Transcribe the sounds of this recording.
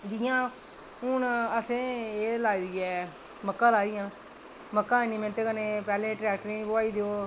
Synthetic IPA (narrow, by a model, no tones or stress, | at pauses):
d͡ʒɪjãː | ʊnəsẽːeːlaːid̪iːɛː | məkːãːlaːiːãː | məkːãːɪnimẽɳʈekənẽːpɛːlẽːʈɾɛːkʈəɾĩːbəaːiːd̪eoː